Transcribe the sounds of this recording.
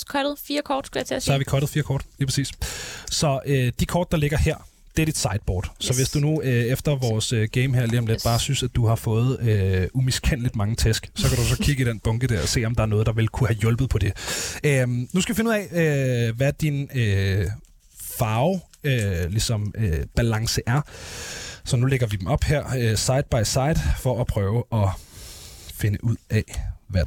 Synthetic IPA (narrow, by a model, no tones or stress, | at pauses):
kʰɒɾð̩ˠfiːɐkʰɒːd̥sɡ̥uja̰t͡sʰḛsɒhɑ̈ʋikʰɒːɾ̥ð̩ˠfiːɐkʰɒ̰ːd̥liːpʰʁe̥sḭːssɒ̽ʔød̥ikʰɒːd̥̚ɑ̈le̝ɡ̥ɐheɐ̰ | d̥e̝æɐ̥id̥sɑ̈ɪd̥̚b̥ɒ̰ːd̥sɒ̽ʋe̝sd̥unuøefd̥ɐʋɒːsøɡ̥eɪmheɐ̰liːɒ̽mled̥b̥ɑ̈ːsynsæd̥uhɑ̈fɔ̽ːð̞̩ˠøumiskʰen̰lid̥mɑ̈ŋət͡sʰesɡ̥sɒ̽kʰæɾusɒ̽kʰiɡəid̥enb̥ɔ̽ŋɡ̥əd̥eɐɒ̽se̝̰ːɒ̽md̥ɑ̈æɐnɔ̽ːð̞̩ˠdɑ̈ʋe̝lkʰuhæjɔ̽lb̥ð̞̩ˠpʰɒ̽d̥e̝ømnusɡ̥d̥ufe̝nuð̰ˠɛøʋæd̥inø | fɑ̈ːʊ | ølisɒ̽møb̥ælɑ̈ŋsəʔæɐ | sɒ̽nuleɡ̥ɐʋid̥em̩ɒ̽b̥heɐ̰øsɑ̈ɪd̥b̥ɑ̈ɪsɑ̈ɪd̥ˠfɒ̽ʔæpʰʁœːʊəʔɒ̽ | fe̝nəʔuð̰ˠɛʋæ